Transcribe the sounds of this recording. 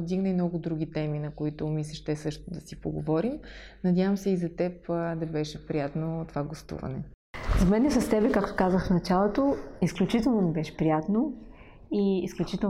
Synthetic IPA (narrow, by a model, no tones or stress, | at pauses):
d̪iɡnɐjmnɔɡʊd̪ɾuɡ̟ʲit̪ɛminɐkoit̪ʊmislʲɛʃt̪ɛsɤʃt̪od̪ɐsipoɡo̰vɔɾim | nɐdʲjavəmsɛizɐt̪ɛpd̪ɐbɛʃɛpɾijat̪not̪ovaɡost̪ṵvɐ̰nɛ̰ | zɐmɛnɛsɐst̪ɛbɛkakt̪o̥kazəxfnɐt͡ʃalˠot̪oisklʲut͡ʃit̪ɛlˠnonɛbɛʃɛ̥pɾijat̪no | iisklʲut͡ʃit̪ɛ